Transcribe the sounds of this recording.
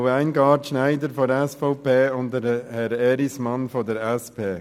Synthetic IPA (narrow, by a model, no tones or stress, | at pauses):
əæɪnɡɑːɾtʃnæɪdəɾfɔɛsfɔʊpʰeːʊntdəɾhɛɾɛɾismɑnfɔdəɾɛspʰeː